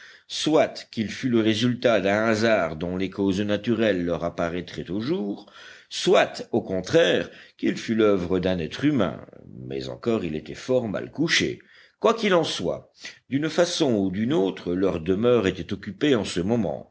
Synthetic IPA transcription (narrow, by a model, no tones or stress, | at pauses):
swat̪kilfyləʁezylt̪ad̪ɛ̃azaʁd̪ɔ̃lekoznat̪yʁɛlːœʁapaʁɛt̪χɛt̪oʒuːʁ | swat̪okɔ̃t̪χɛːʁkilfylœvʁəd̪ɛ̃nɛt̪χymɛ̰̃mɛ̰zɑ̰̃kɔʁilet̪ɛfɔʁma̰lkuʃḛ | kwakilɑ̃swa̰d̪ynfasɔ̃ud̪ynot̪χəlœʁd̪əmœʁet̪ɛt̪ɔkʲypeɑ̃səmɔmɑ̰̃